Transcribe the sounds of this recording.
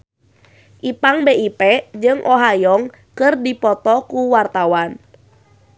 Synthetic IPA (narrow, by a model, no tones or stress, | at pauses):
ʔipaŋbeʔipɛd͡ʒɨŋʔɔɦajɔŋ | kɨrdipɔt̪ɔkuwart̪awan